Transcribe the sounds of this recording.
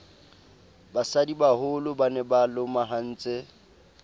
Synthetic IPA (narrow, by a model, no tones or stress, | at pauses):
basadibahʊlʊbanɛbalʊmaɦan̩ːt͡sʼe